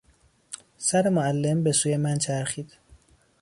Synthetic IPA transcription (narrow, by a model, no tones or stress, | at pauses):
sæɾemoælːe̞mbe̞suːjemænt͡ʃʰæɾxiːd̪̥